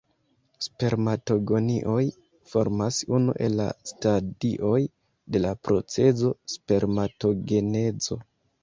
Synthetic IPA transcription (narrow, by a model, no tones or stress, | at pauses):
spe̞ɾmato̞ɡo̞niʔo̞j | fo̞ɾmasunṵʔe̞̰lːa̰stadiʔo̞j | de̞lapɾo̞t͡se̞zo̞spe̞ɾmato̞ɡe̞ne̞zo̞